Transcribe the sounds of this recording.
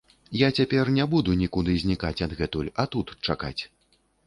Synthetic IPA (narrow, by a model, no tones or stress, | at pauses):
jat͡sʲapʲɛrnʲɛbud̪unʲikud̪ɨzʲnʲikat͡sʲɐd̪ɣɛt̪ulʲɐt̪ut̪t͡ʂaka̰t͡sʲ